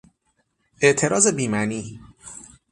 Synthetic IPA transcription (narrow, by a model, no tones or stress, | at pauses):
ʔe̞ʔt̪ʰe̞ɾɒːze̞biːmæniː